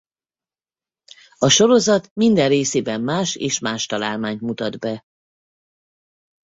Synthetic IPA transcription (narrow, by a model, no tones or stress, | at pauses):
ɒʃo̞ɾo̞zɒt̪mind̪ɛrreːseːbɛmːaːʃḛːʃmaːʃt̪ɒlaːlmaːɲt̪mut̪ɒd̪bɛ